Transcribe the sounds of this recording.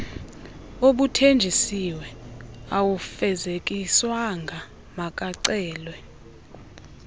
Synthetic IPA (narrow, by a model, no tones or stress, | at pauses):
oɓutʰend͡ʒʱisiwɛawufɛzekʼiswaŋɡʱa | mak̬ʼaǀɛːlwɛ